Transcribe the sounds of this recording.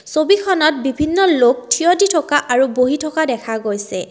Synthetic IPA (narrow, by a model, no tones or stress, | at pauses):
sobikʰɔnɔt̚bibʱinːɔlok̚tʰijɔditʰɔkaʔaɹuboɦitʰɔkadɛkʰaɡojsɛ